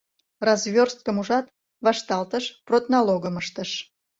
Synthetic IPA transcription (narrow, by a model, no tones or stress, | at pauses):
rɑzβʲorst̪̚kəmuʒɑt̪ | βɑʃt̪ɑlt̪əʃprot̪nɑloɣəməʃt̪əʃ